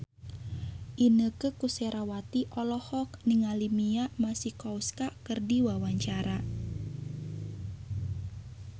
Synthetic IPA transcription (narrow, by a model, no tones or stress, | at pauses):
ʔinəkəkusɛɾawat̪iʔɔlɔhɔk̚niŋalimiamasihkɔwskakərdiwawaɲt͡ʃaɾa